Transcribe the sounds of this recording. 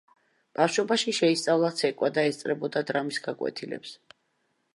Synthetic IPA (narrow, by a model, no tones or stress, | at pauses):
b̥afʃɔbaʃiʃɛist̪sʼavlˠat̪sʰɛkʼwad̪aɛst̪sʼɾɛbɔd̪ad̪ɾamisɡakʼwɛ̰t̪ʰilɛ̰ps